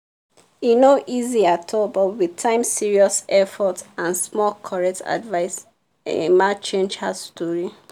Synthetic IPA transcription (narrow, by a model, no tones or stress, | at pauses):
inoʔiziatʰɔbɔtwitʰãɪ̃msiɹiɔsɛfɔtãnsmɔlkʰɔɹɛk̚tʰa̰dvaɪs | ɛ̰mat͡ʃẽnd͡ʒhastɔɹi